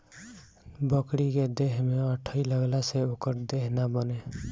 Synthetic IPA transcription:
bəkɽiked̪eɦmeəʈʰəiləɡlaseokəɾd̪eɦnabəne

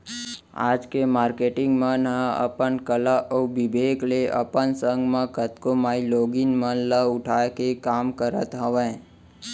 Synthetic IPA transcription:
a̰ːd͡ʒkemaːɾkeʈɪ̃ŋɡmãnəə̰pənkəlaʔobibʱekleʔə̰pənsəŋɡmãkət̪komaːiloːɡinmənləʊʈʰakekaːmkəɾət̪ɦəʋẽ

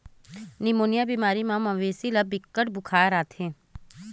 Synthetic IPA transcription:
nimoːnijabiːmaːɾimãmɐ̃ʋeːsilɐbɪkːəʈbʊkʰaːɾaːt̪ʰẽː

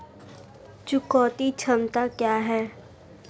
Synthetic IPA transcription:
t͡ʃʊkɔːt̪it͡ʃʰəmt̪akjaːɦɛː

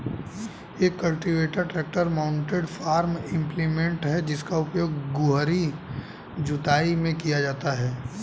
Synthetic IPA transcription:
jeːkːɐlʈiʋeːʈəɾʈɾeːk̚ʈəɾmaʊ̃ɳʈeɖfaːɾmɪ̃mplimẽɳʈɦɛd͡ʒɪskaʊpjoːɡɡʊɦɾi | d͡ʒʊt̪aːimẽkijad͡ʒaːt̪aɦɛː

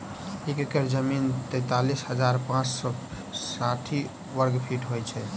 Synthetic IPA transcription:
ekəkəɾd͡ʒəmint̪əjt̪alisɦəd͡ʒaɾpãt͡ʃsɔ | saʈʰi | ʋəɾɡpʰiʈɦojt͡ʃʰɛ

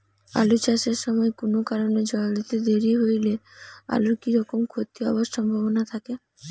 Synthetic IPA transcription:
a̰lut͡ɕaʃeɾʃɔmɔekonokaɾoned͡ʑɔld̪it̪ed̪eɾiɦojlea̰lukiɾɔkomkʰot̪ːiɔ̰boʃʃɔmbʱabonat̪ʰake

